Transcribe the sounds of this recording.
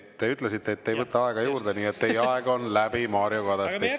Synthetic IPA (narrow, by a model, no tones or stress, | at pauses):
t̪e̞yt̪le̞s̬it̪ːeːt̪ːe̞jvɤt̪ːˑɑɑe̞ɡ̥ɑjuːrd̪̥e̞niːet̪ːejɑeɡ̥o̞nlæb̥imɑːɾioɡɑd̪ɑst̪i